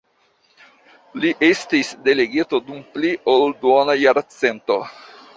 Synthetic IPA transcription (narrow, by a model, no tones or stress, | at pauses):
liʔestisde̞le̞ɡitodumpliʔolduonajaɾat͡sento